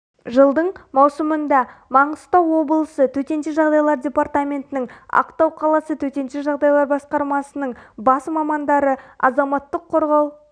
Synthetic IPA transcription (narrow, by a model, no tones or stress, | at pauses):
ʒəlˠd̪əɴmɑwsəmənd̪ɑmɑɴəst̪ɑwo̞bəlˠəsət̪ʰɵt̪e̞nʃeʒɑʁd̪ɑjlˠɑɾdʲe̞part̪amʲe̞nt̪ɪnɪŋɑ̰qt̪ɑwqʰɑlˠɑsət̪ʰɵt̪e̞nʃeʒɑʁd̪ɑjlˠɑɾbɑsqɑɾmɑsənəɴbɑsmɑmɑnd̪ɑɾəɑ̰zɑmɑt̪ːəqʰːo̞ɾʁɑw